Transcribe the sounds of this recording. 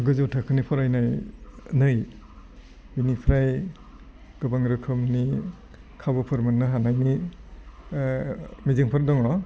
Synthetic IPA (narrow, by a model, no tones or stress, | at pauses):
ɡɯzɯwtʰakʰɯnipʰɔɾajnajnɯj | binipʰɾaj | ɡ̥ɯbaŋɾɯkʰɯmni | kʰabɔpʰɯɾmɯnːaɦanajni | mizɯŋpʰɔɾ̚dɔŋɔ